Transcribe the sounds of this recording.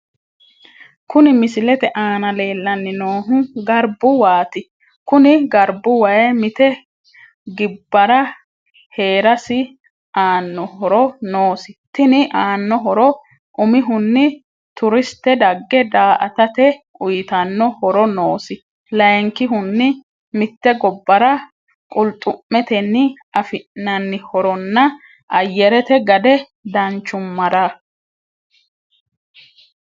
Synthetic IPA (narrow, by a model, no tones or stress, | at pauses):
kʊnɪmɪsɪlɛt̪ɛʔaːnɐleːlːɐnːɪnoːɦʊɡɐɾbʊwaːt̪ɪ | kʊnɪɡɐɾbʊwɐjɛmɪt̪ɛ | ɡɪbːɐɾɐ | he̞ːɾɐsɪ | ʔaːnːɔhɔɾɔnoːsɪt̪ɪnɪʔaːnːɔɦɔɾɔ | ʔʊmɪɦʊnːɪ | t̪ʊɾɪst̪ːɛd̪ɐɡːɛd̪aːʔɐt̪ɐt̪ɛ | ʊjɪt̪ɐnːɔhɔɾɔno̞ːsɪ | lɐjŋkɪɦʊnːɪ | mɪt̪ːɛɡɔbːɐɾɐ | kʼʊlt̪ʼːʊmmɛt̪ɛnːɪ | ɐfɪʔnɐnːɪhɔɾɔnːɐ | ʔɐjːɛɾɛt̪ɛɡɐd̪ɛ | d̪ɐnt͡ʃːʊmːɐɾa